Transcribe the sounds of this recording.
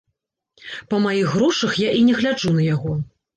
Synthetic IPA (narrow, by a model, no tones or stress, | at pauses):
pɐmajiɣːɾɔʂɐxjaʔinʲɛɣlʲad͡ʐunɐjaɣɔ